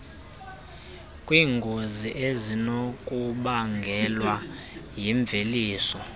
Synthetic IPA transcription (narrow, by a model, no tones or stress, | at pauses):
kʼwiːŋɡʱoziʔezinokʼuɓaŋɡʱɛlwajiɱb̪vʱeliːsɔ